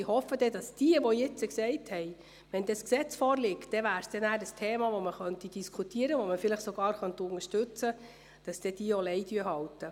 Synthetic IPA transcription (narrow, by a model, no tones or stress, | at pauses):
ihɔfːəd̥ɛd̥ɑsd̥iəʋɔjɪt͡səksɛɪthɛɪ | ʋɛnd̪ɛsksɛt͡sfɔːɾlɪktd̥ɛʋæːɾsd̥ɛnæːɾəstʰeːmɑʋoməχœntid̥iskʰutiəɾəʋoməfɪləχsɔɡ̥ɑːɾχœnt̪ʊŋəʃtɵt͡sə | d̥ɑsd̥ɛd̥iːəolɛɪdyːəɦɑltə